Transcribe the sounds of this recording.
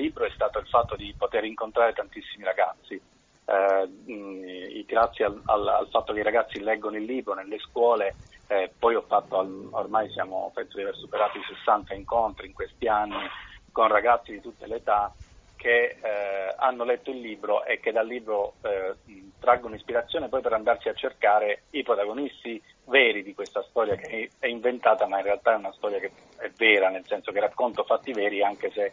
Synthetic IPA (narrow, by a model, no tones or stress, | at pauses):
lːiːbɾoɛst̪aːt̪oilfat̪ːod̪ipot̪eɾiŋkont̪ɾaːɾet̪ant̪isːimiɾaɡat̪sːi | ɡɾat̪sːjiaa̰la̰lfat̪ːok̟eiɾaɡat̪sːilɛɡːonoilːiːbɾonelːeskwɔːlepɔjɔfːat̪ːoao̰rmajsja̰ːmo̰fet̪ːod̪iaveɾsupeɾaːt̪oisesːant̪aiŋkont̪ɾiŋkwest̪ianːikonraɡat̪sːid̪it̪ut̪ːeleːt̪akʰe | a̰nːolɛt̪ːoilːiːbɾoʔekːed̪alːiːbɾo | t̪ɾaɡːonoispiɾat̪sːjoːnepɔjpeɾand̪art͡ʃiat͡ʃːerkaːɾeipɾot̪aɡonist̪i | vɛːɾid̪ikwest̪ast̪ɔɾjakeɛiɱvent̪aːt̪amainrealt̪aɛunast̪ɔɾjake | ɛvːɛːɾanelsɛnsokerakːont̪ofat̪ːivɛːɾiaŋkese